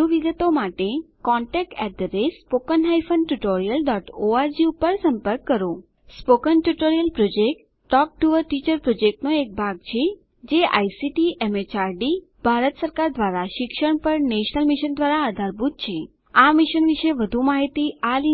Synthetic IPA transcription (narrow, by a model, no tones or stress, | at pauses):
uʋiɡət̪omaʈekɔ̃ɳʈɛk̚ʈɛʈ̚d̪əɾespokənɦajfənʈuʈoɾijəlɖɔʈoaɾd͡ʒiupəɾsə̃mpəɾkːəɾo | spokənʈuʈoɾijəlpɾod͡ʒek̚ʈːɔk̚ʈuʋəɾʈit͡ʃəɾpɾod͡ʒek̚ʈnoek̚bʱaɡ̚t͡ʃʰe | d͡ʒeʔa̰jsiʈiemet͡ʃaɾɖi | b̥ʱaɾət̪səɾkaɾd̪ʋaɾaʃɪkʃəɳpəɾneʃnəlmiʃənd̪ʋaɾaːd̪ʱaɾbʱut̪̚t͡ʃʰe | amiʃənʋiʃeʋəd̪ʱumaɦit̪iali